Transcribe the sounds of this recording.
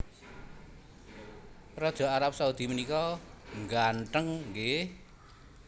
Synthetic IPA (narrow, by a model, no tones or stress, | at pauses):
rɔd̥ʒ̥ɔ̤aɾap̚saud̪̥i̤mənikɔŋɡaɳʈəŋɡe